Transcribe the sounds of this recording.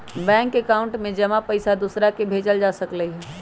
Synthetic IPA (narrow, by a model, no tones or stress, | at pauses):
bɛ̃ːŋkekaʊ̃ɳʈmẽd͡ʒɐmapəɪsad̪usɾakebʱeːd͡ʒəld͡ʒaːsəkləiɦɛ